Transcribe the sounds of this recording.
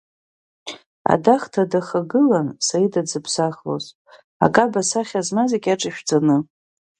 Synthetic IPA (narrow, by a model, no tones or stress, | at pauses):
a̰daχtʰadaχaɡɨlansaidad͡zɨpʰsaχlo̰zʼ | a̰kʼabasaχʲazmazekʲʼaʈ͡ʂʼaʃᶣd͡zanɨ